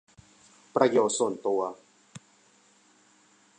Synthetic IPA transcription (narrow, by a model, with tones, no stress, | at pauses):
pɾa˦jɔ˨so˦˨n˨t̪o˨a˨